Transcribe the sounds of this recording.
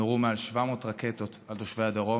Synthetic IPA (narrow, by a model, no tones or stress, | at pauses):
oʁumealʃvamo̞ːt̪ʁaket̪o̞t̪alt̪oʃvejad̪aʁo